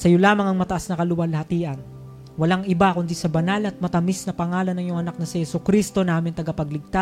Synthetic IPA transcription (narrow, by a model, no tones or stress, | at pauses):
sɐjo̞laːmɐŋɐŋmɐt̪ɐʔasnɐkɐlʊwɐlɐhɐt̪iːʔɐn | wɐlaŋʔɪbakʊnd̪isɐbɐnalɐt̪̚mɐt̪ɐmisnɐpɐŋaːlɐnːɐŋjoŋɐnak̚nɐsɪhɛsʊkɾist̪o̞naːmɪnt̪ɐɡɐpɐɡlɪɡ̚t̪a